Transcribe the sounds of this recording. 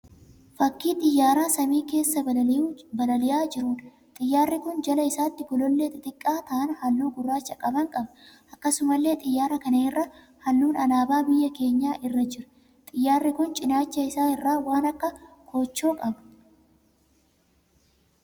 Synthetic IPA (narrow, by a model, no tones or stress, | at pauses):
fɐkːiːt̪ʼɪjːaːɾaːsɐmiːke̞ːsːɐbɐɐjubɐlɐlɪjaːd͡ʒɪɾuːᶑɐ̥ | t̪ʼɪjːaːrːɪkʊnd͡ʒɐlɐɪsaːt̪ːɪɡɔlɔlːeːt̪ːɪt̪ʼɪkʼːaːt̪ɐʔɐnhɐlːuːɡʊrːaːt͡ʃːɐkʼɐbɐŋkʼɐbɐʔɐkːɐsʊmɐlːe̞ːt̪ʼɪjːaːɾɐkɐnɐɪrːɐ | hɐlːuːnɐnaːbaːbɪjːɐke̞ːɲːaːʔɪrːɐd͡ʒɪɾʊ̥ | t̪ʼɪjːaːrːɪkʊnt͡ʃʼɪnaːt͡ʃːɐɪsaːɪrːaːwaːnɐkːɐkʰoːt͡ʃːoːkʼɐbɐ